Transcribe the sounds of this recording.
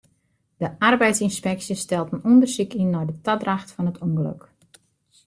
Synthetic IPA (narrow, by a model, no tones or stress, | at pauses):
d̥əʔarbɛjtsinspɛksjəstɛlˠtənɔndərsikinːɔjdətadraxtfɔnətʰuŋɡəlø̰k